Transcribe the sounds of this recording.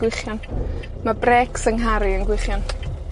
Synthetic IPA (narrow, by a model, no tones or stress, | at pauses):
wɪχjɔn | mabrɛːksəŋɦaɾiənɡwɪχjɔn